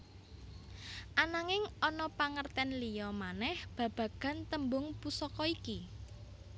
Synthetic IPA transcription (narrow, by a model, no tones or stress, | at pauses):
ʔanaŋɪŋɔnɔpaŋərt̪ɛnlijɔmanɛhb̥ä̤b̥ä̤ɡ̥ä̤nt̪əmbʊŋpusɔkɔiki